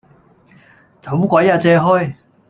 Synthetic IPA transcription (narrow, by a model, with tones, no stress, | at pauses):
t͡sa˨˩˦mu˥kwa˨˥ja˥˧t͡sɛ˧ɦɔ˥j